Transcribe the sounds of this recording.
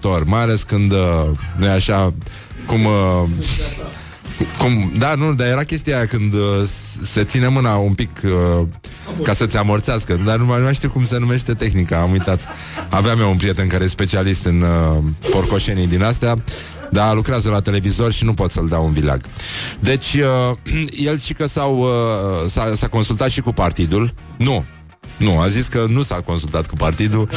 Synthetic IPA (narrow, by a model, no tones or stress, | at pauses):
t̪o̞rʲmajale̞skɨnd̪ənujaʃa | kum | kumd̪anud̪aje̞ɾakʲe̞st̪ijajakɨnd̪ | se̞t̪sine̞mɨnaumpik | kasət̪sʲamərt̪seaskəd̪anumamaʃt̪iuwkumse̞nume̞ʃt̪e̞t̪e̞xnikaːmujt̪at̪ | aveamjaunpɾije̞t̪e̞nkaɾejspe̞t͡ʃialist̪ɨnpo̞rko̞ʃe̞nijd̪inast̪ea | d̪alukɾeazəlat̪e̞le̞vizo̞rʃinupo̞t̪səld̪aunvila̰ɡd̪e̞t͡ʃʲəje̞lʃikəsaw | sasako̞nsult̪at̪ʃikupart̪id̪ulnu | nuaziskənusako̞nsult̪at̪̚kupart̪id̪u